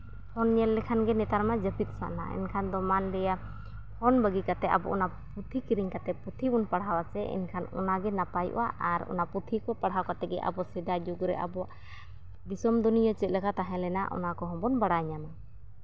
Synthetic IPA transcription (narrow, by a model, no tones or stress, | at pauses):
hʰɔnɲɛlːɛkʰanɡɛnɛt̪aɾmad͡ʒəpit̪̚sa̰ʔna̰ɛ̰nkʰand̪ɔmanlɛja | hɔnbəɡikat̪ɛa̰bɔʔɔna | put̪ʰikiɾiɲkat̪ɛput̪ʰibunpaɽawasɛɛ̰nkʰanɔ̰naɡɛnapajʔṵwa̰ʔaɾɔ̰naput̪ʰikɔpaɽɦawkat̪ɛɡɛʔa̰bɔsɛd̪ad͡ʒuɡɾɛ̰ʔa̰bɔaʔ | d̪isɔmd̪unijɔt͡ʃɛt̪̚lɛkʰat̪aɦɛ̃lɛna̰ʔɔ̰nakɔɦɔ̃mbɔnbaɽajɲana